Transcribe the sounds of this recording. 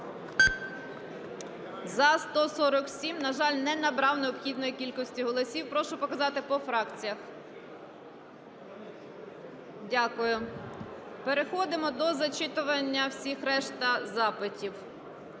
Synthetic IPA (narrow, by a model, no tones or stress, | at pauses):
zɐst̪ɔsɔɾɔksʲimnɐʒɑlʲnɛnɐbɾɑwneɔbxʲid̪nɔjikʲilʲkɔsʲtʲiɦɔlˠɔsʲiwpɾɔʃʊpɔkɐzɑt̪ɪpɔfɾɑkt͡sʲijɐx | dʲakʊjʊ | peɾexɔd̪ɪmɔd̪ɔzɐt͡ʃɪt̪ʊʋɐnʲːɐwsʲixɾɛʃt̪ɐzɑpɪtʲiw